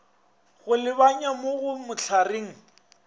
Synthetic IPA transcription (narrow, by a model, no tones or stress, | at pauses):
ɣʊlɪβaɲamoɣʊmʊt͡ɬʰareːŋ̩